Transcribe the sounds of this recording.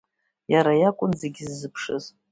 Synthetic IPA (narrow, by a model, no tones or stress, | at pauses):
jaɾajakʷʼʊnzeɡʲizːɨpʰʂɨz